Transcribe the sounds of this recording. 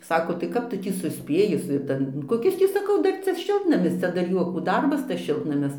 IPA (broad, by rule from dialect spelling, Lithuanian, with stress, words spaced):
ˈsɑːkoː tɐɪ ˈkɐp ˈtʊ ˈtʲiː sʊˈsʲpʲeːjɪ sʊ ˈtɐn koːˈkʲɪs ˈtʲiː sɐˈkɐʊ ˈdɐr ˈt͡sʲɛ ˈʃʲɪlˠtnɐmʲɪs ˈt͡sʲɛ dɐr ˈjuɔkuː ˈdɐrbɐs tɐs ˈʃʲɪlˠtnɐmʲɪs ˈʃʲɪlˠtnɐmʲɪs